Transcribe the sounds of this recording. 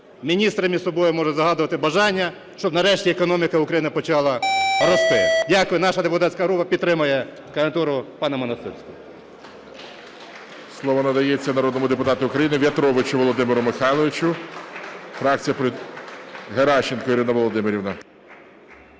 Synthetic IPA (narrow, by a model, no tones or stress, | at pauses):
mʲinʲist̪ɾɐmʲisɔbɔjʊmɔʒɛzɐɦɑd̪ʊʋɐt̪ɪbɐʒɑnʲːɐ | ʃt͡ʃɔbnɐɾɛʃtʲiekɔnɔmʲikɐukɾɐjinɪpɔt͡ʃɑlˠɐɾɔst̪ɪdʲakɪnɑʃɐd̪epʊt̪ɑt̪ʲsʲkɐɦɾupɐpʲid̪t̪ːɾɪmɐjɛ | kɐʋent̪uɾʊpɑnɐmɔnɐst̪ɪrsʲkɔ | slˠɔʋɔnɐd̪ɐjet͡sʲːɐnɐɾɔd̪nɔmʊd̪epʊt̪ɑt̪ʊʊkɾɐjinɪʋʲjɐt̪ɾɔʋɪt͡ʃʊʋɔlˠɔd̪ɪmɪɾʊmɪxɑjlˠɔʋʲɪt͡ʃʊ | fɾɑk̚t͡sʲijɐpɾɪ | ɦeɾɑʃt͡ʃːenkɔiɾɪnɐʋɔlˠɔd̪ɪmeɾʲiʋnɐ